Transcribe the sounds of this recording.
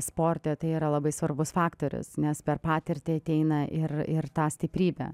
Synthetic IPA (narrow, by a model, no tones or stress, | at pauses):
spoːɾʲt̪ʲɛt̪ɐɪiːɾɐlˠɐbɐɪsʋɐrbʊsfɑːkt̪oːɾʲʊ̰snʲɛspʲɛrpɑːt̪ʲɪɾʲt̪ʲɪɐt̪ʲɛɪnɐʔɪrɪrt̪ɑːsʲt̪ʲɪpʲɾʲiːbʲɛ̰ː